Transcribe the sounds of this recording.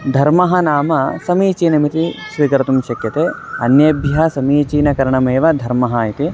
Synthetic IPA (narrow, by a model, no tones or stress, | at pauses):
d̪ʱɐɾmɐɦɐnaːmɐsɐmiːt͡ʃiːnɐmit̪isʋiːkɐɾɐt̪umʃɐkjɐt̪eːɐnjɐbʱjɐɦɐsɐmiːt͡ʃiːnɐkɐɾɐɳɐmeːʋɐd̪ʱɐɾmɐɦaːjit̪i